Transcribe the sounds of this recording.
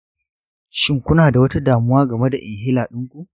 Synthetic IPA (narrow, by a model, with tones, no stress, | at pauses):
ʃɪ˦ŋkʷʊ˦naː˨da˨wɐ˦ta˦daː˨mʊ˦waː˦ɡɐ˨me˦da˨ʔɪ˨ŋɦɪ˦laː˨ɗʊ˦ŋkʷu˦ʔ